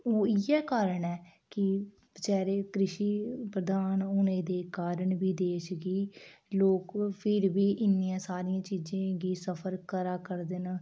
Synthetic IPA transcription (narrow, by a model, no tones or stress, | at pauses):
oːiːɛːkaːɾəɳɛːkɪ | t͡ʃɛːɾeːkɾɪʃiːpɾəd̪aːnʊnẽːd̪eːkaːɾəɳbiːd̪eːʃɡiːloːkpʰɪɾbiːʔɪnːiːãːsaːɾiãːt͡ʃiːd͡ʒãːɡiːsəpʰəɾkəɾaːkəɾd̪en